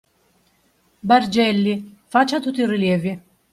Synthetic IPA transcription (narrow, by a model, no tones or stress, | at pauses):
bard͡ʒɛlːifat͡ʃːat̪ut̪ːiɾiljɛːvi